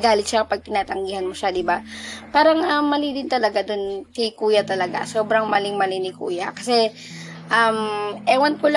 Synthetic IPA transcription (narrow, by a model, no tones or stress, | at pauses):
ɡaːlɪt̪ʃakɐpɐɡ̚k̪ɪnaːt̪ɐŋɡiːhɐnmoʃad̪ɪbapaːɾɐŋʔɐmːɐlid̪ɪnt̪ɐlɐɡad̪onkɐkuːjɐt̪ɐlɐɡa̰so̞ːbɾɐŋmɐlɪŋmɐlɪnɪkṵːjɐkɐsɛ | ʔɐmʔɛːwɐnkʊl